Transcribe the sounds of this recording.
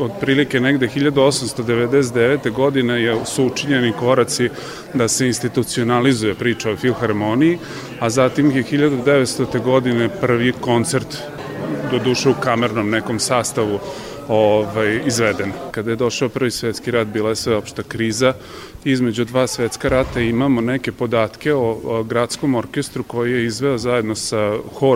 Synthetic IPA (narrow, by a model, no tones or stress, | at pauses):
od̪pɾiːlike̞neɡd̪exiʎad̪uo̞samst̪o̞d̪eʋed̪es̬et̪d̪eʋet̪e̞ɡo̞d̪inejesuut͡ʂiɲeniko̞ɾat̪si | d̪ase̞inst̪it̪ut̪sionalizuje̞pɾiːt͡ʃaofilxaɾmoniji | azat̪imjexiʎad̪ud̪eʋet̪st̪ot̪eɡo̞d̪inepr̩ʋiko̞nt̪seɾt̪ | d̪od̪uːʃeukameɾnomneko̞msaːst̪aʋu | oʋajizʋed̪enkad̪ajed̪o̞ʃaopr̩ʋisʋet̪skiɾat̪̚biːlˠajesʋeo̞pʃt̪ekɾiːza | izme̞d͡ʑud̪ʋaːsʋet̪skaɾat̪aimamoneke̞po̞d̪aːt̪kʲe̞oɡɾat̪sko̞mo̞ɾkest̪ɾuko̞jije̞izʋe̞ozaje̞d̪nosaxo